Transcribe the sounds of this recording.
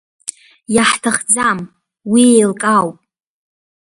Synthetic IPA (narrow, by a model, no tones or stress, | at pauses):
jaħtʰaχd͡zam | wiejlkʼawpʼ